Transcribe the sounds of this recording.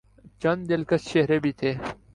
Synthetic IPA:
t͡ʃɐnd̪ɪlkɐsʃeɦɾebʱit̪ʰeː

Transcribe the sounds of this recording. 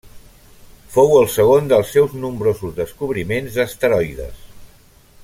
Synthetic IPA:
fowəlˠsəɣ̞ond̪əlˠsːɛwznumbɾozuzðəskuβɾimenzəst̪əɾɔjðə̰s

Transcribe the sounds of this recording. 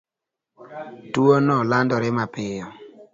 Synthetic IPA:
tuonɔlandɔɾɪmapɪjɔ

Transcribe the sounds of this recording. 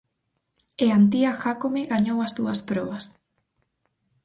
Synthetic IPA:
eant̪iaxakomeɣaɲowɐzðuɐspɾɔβɐs

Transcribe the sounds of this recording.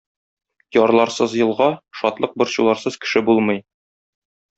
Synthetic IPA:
jɒɾlˠɑɾsɤzjɤ̆lˠʁɑʃɒt̪lˠɤq̚bŏɾɕulˠɑɾsɤz̥kɘ̥̆ʃɘbulˠmɤ̆j

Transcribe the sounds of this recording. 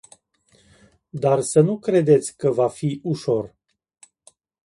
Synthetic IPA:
d̪arsənukɾe̞d̪e̞t̪sʲkəvafiʔuʃo̞r

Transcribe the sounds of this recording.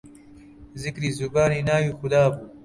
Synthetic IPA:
zɪkɾiːzuɡaːninaːwiːxʊd̪aːbuː

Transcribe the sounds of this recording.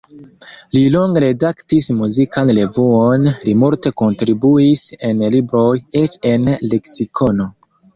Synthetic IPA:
liloŋɡeɾe̞daktismuzikanle̞vuonlimulte̞ko̞ntɾibuise̞nlibɾo̞jet͡ʃe̞nle̞ksikʰo̞no̞

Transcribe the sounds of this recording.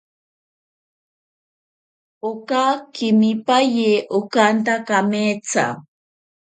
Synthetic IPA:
okakɪmipajeʔokant̪akamet͡sa̰

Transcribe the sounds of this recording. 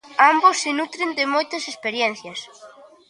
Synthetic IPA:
ambosːɪnut̪ɾɪnd̪ɪmojt̪ɐsespeɾjɛn̟θjɐs

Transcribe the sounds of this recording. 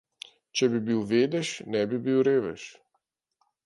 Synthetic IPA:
t͡ʃɛbibiwʋeːd̪ɛʃnɛbibiwɾeːʋɛ̰ʃ

